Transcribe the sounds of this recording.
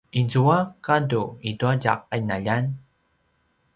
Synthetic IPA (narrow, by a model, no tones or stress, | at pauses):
izuakaduiduaɟa̰qanaʎan